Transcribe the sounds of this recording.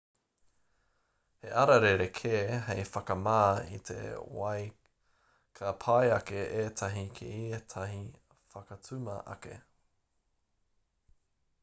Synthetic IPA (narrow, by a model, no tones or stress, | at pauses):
heʔɐɾɐɾeɾekʰeːɦejfɐkɐmaːḭt̪ʰḛwɐj | kʰɐpʰajɐkeʔeːt̪ʰɐɦikʰḛiet̪ʰɐɦi | fɐkɐt͡sʰʉmɐ̰ʔɐ̰kḛ